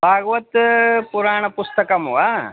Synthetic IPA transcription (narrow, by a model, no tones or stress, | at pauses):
bʱaːɡɐʋɐt̪puɾaːɳ̃ɐpust̪ɐkɐmʋaː